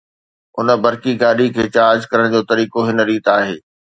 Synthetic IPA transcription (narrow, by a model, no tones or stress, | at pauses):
ʊ̰nə̆bɐɾkiɡaːɗikʰeːt͡ɕaːd͡ʑkɐɾəɽ̃d͡ʑoːt̪ɐɾiːkoɦɪnəɾiːt̪aːɦḛː